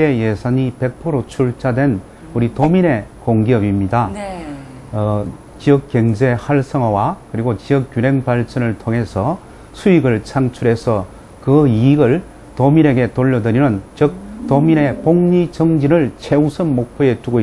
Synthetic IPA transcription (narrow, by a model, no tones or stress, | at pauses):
eje̞sʰaɲipe̞k̚pʰoɾot͡ɕʰuɭt͡ɕʰadwe̞n | uɾitomiɾe̞koŋɡiʌbimɲida | t͡ɕiʌk̚k͈eŋd͡ʑe̞haɭsʰʌŋawakɯɾiɡot͡ɕiʌk͈̚ːjuɾe̞ŋpaɭt͡ɕ͈ʰʌnɯɭtʰoŋɦe̞sʰʌ | sʰuiɡɯɭt͡ɕʰaŋt͡ɕʰuɾe̞sʰʌ | kɯiɡɯɭ | tomiɾe̞ɡe̞toʎːʌdɯɾinɯnt͡ɕʌk̚tomiɾe̞poŋɲit͡ɕʌŋd͡ʑiɾɯɭt͡ɕʰe̞usʰɯnmok̚pʰjoe̞tuɡoi